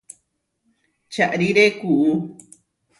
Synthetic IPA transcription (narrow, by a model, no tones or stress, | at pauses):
t͡ʃaʔɾiɾekuʔu